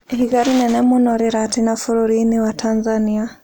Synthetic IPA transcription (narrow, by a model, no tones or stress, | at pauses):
hiɡaɾinɛnɛmunɔɾiɾatinafuɾuɾiniwatʰanzania